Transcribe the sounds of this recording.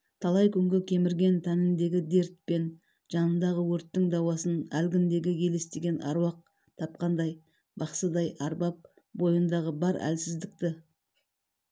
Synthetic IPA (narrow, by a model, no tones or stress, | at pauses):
t̪ʰɑlˠɑjkʲʰʏŋɡʲɪkʲʰe̞mɪɾɡʲe̞nt̪ʰænɪnd̪e̞ɡʲɪd̪e̞ɾt̪̚pe̞n | ʒ̥ɑnənd̪ɑʁəwɵɾt̪ːɪŋd̪ɑwɑsənælɡʲɪnd̪e̞ɡʲɪkʲʰe̞lest̪eɡʲe̞nʔɑ̰ɾwɑq̚ | t̪ʰɑp̚qɑnd̪ɑj | bɑqsəd̪ɑjʔɑɾbɑp̚ | bo̞jənd̪ɑʁəbɑɾæ̰lsɪzd̪ɪk̚t̪ɪ